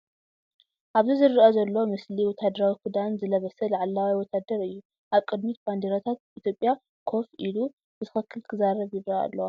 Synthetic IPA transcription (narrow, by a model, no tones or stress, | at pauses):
ʔaβzizɨɾːɨʔɐzɐlːo̞mɨsliwɔt̪ʰad̪ɐɾawikʰud̪anzɨlɐβɐsɐlaʕalːawiwɔt̪ʰad̪ɐɾɨjːu | ʔaβkʼɨd̪mit̪band̪eɾot̪ʰat̪̚it̪ʰjo̞pʼja | kʰo̞fʔilu | b̥ɨt̪ʰɨxɨkʰːɨltk̪ʰɨzaɾɐβjɪβɾaa̰lːow